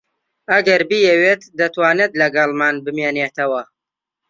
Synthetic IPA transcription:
ɐɡɐɾbijɛweːt̪d̪ɐt̪waːneːt̪lɐɡɑlˠmaːnbɨmeːneːt̪ɐwɐ

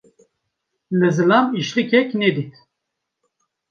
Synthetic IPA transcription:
lɨzɨlamiʃɾikʰɛknɛd̪it̪

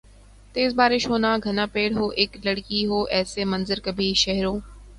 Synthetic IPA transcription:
t̪eːzbaːɾɪʃɦoːnaːɡʱɐnaːpeːɽɦoːʔɪklɐɽkiɦoːʔɛːsemɐ̃nzəɾkɐbʱiʃɐɦɾõː

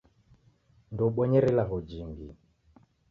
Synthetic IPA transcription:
ndɔɓɔɲɛɾɛlaɣɔd͡ʒiŋɡi

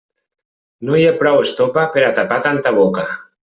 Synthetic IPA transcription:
nojepɾɔwest̪opapeɾat̪apat̪ant̪aβ̞oka

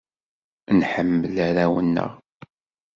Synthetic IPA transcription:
nħəmːəlaɾæwənːə̰ʁ

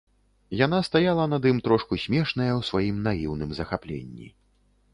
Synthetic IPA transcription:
janast̪ajalˠɐnɐd̪imt̪ɾɔʂkusʲmʲɛʂnɐjɐwsvajimnajiwnɨmzɐxaplʲḛnʲːḭ

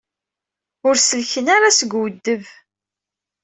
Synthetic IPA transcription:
ʊɾsəlçənaɾasəɡwəd̪ːəv

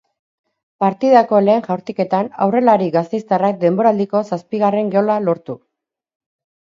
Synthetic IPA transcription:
paɾt̪iðako̞le̞ːnʝawɾt̪ike̞t̪ana̰wre̞laɾiɡast̪e̞jst̪arak̚d̪e̞mbo̞ɾald̪iko̞saspiɣare̞ŋɡeo̞lalo̞ɾt̪u

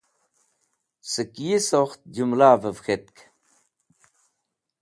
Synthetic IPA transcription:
səkijisoxt̪̚d͡ʒumlaːvəvxet̪̚k

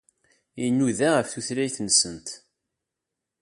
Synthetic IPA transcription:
inːuðaʁəfθuθlæjθənsənt̪

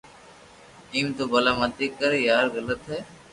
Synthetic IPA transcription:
iːmt̪oːbəlaːmət̪iːkːəɾejaːɾɣələt̪ɦɛː

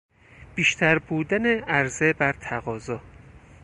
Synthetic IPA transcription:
b̥iːʃt̪ʰæɾbuːd̪æneæɾzebæɾt̪ʰæɣɒːzɒː

